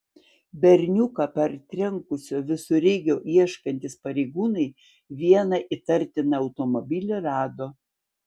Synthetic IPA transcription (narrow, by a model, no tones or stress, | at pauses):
bʲɛɾʲnʲʊkɐpʲɛɾt̪ʲɾʲɛŋkʊsʲoːʋʲɪsʊɾʲɛɪɡʲoːʔiɛʃkɐnʲt̪ʲɪspɐɾʲɛɪɡuːnɐɪ | ʋʲiɛnɐʔit̪ɐɾʲt̪ʲɪnɐɐʊt̪omɔbʲɪlʲoɾɑːd̪oː